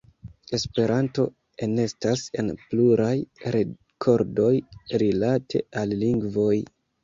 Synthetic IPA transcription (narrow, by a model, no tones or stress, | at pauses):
e̞spe̞ɾanto̞ | e̞ne̞stase̞̰npluɾʔajɾe | kʰo̞ɾdo̞jɾilatʰe̞alːiŋɡvo̞j